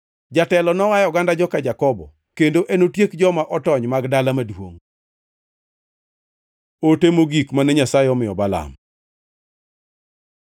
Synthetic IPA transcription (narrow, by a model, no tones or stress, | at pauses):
d͡ʒatɛlɔnɔwajɔɡandad͡ʒɔkad͡ʒakɔbɔ̰ | kendoʔenotjekd͡ʒɔmaʔɔtɔɲmaɡdalamadwo̰ŋ | otemoɡikmanɛɲasajeɔmɪjɔbala̰m